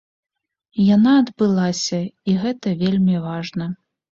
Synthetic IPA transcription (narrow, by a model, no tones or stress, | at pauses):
janaɐd̪bɨlˠasʲɐiɣɛt̪ɐvʲelʲmʲivaʐnɐ